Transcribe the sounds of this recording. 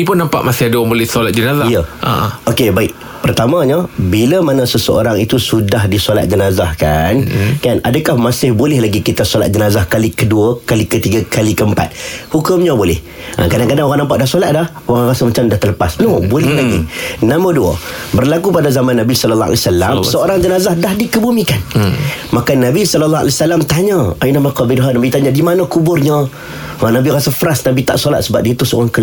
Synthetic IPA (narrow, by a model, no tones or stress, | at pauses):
ipʊnːampa̰ʔmasɪhadəoaŋbolɪhsolat̪̚d͡ʒənazaijəa̰okebaɪʔ̚ | pərt̪amãɲəbiləmanãsəsəo̰ɾaŋit̪usudahdisola̰t̪̚d͡ʒənazahkankanadəkahmasɪhbolɛhlaɡikit̪asolat̪̚d͡ʒənazahkalikəduəkalikət̪iɡəkalikəəmpa̰t̪̚hukʊmɲabolɛh | ʔə̰kadaŋkadaŋoɣaŋnampaʔdahsolat̪̚dah | oɾaŋrasəmat͡ʃamdaht̪ələpasnobolɛhlaɡḭnaməduə̰bərlakupadazamanːabisɔlɔlːɑa̰lɛsala̰msəoɾaŋd͡ʒənazahdahdikəbumikanmakanabisɔləlːɔa̰lɛsalamt̪aɲəainamakɔbidɦanabit̪aɲadimanəkubʊrɲə | nabiɾasəfəɾasnabit̪a̰ʔsola̰t̪̚səbap̚diət̪usəo̰ɾaŋkə